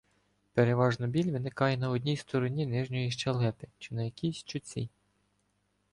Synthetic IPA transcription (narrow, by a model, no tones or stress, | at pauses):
peɾeʋɑʒnɔbʲilʲʋɪnɪkɑjɛn̪ɐɔdʲnʲijst̪ɔɾɔnʲinɪʒnʲɔjiʃt͡ʃɛlˠɛpɪt͡ʃɪnɐjɐkʲisʲt͡ʃʊt͡sʲḭ